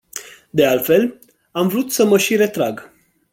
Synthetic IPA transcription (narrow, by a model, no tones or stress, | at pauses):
d̪e̞alfe̞l | amvɾut̪səməʃiɾe̞t̪ɾaɡ